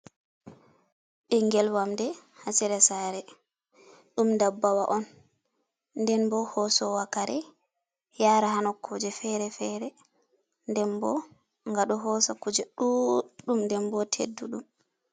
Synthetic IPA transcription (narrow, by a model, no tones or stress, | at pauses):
ɓɛŋɡɛlwamdɛhasiɾɛsaɾɛ | ɗumdabːawa̰ʔɔn | ndɛnbɔhɔsɔwakaɾɛ | jaːɾahanɔkʰːɔd͡ʒɛfɛɾɛfɛɾɛ | ndɛnbɔ̰ | ŋɡaɗɔɦɔsakud͡ʒɛɗuɗumndɛmbɔtʰḛdːuɗum